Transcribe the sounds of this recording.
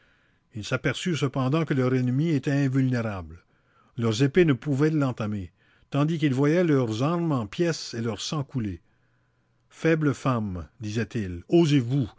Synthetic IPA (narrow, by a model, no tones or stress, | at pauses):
ilsapɛʁsysəpɑ̃d̪ɑ̃kəlœʁɛnmiet̪ɛɛ̃vylneʁabl | lœʁzepenəpuvɛlɑ̃t̪ame | t̪ɑ̃d̪ik̬ilvwajɛlœʁzãʁmɑ̃pjɛselœʁsɑ̃kule | fɛbləfamd̪izɛt̪ilozevu